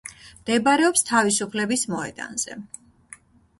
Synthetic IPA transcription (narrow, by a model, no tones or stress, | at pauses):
md̪̥ɛbaɾɛɔpst̪ʰavisupʰlɛbismɔɛ̰d̪̥a̰nz̥ɛ̰